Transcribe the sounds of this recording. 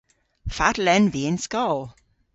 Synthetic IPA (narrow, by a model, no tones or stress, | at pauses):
fatlɛnveːnskɔl